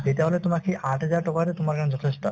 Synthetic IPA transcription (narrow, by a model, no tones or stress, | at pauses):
d͡ʑet̪eɦolet̪omakiʔaʈed͡ʑaɾʈɔkaɾet̪omaɾkand͡ʑɔt̪ʰeʃʈɔ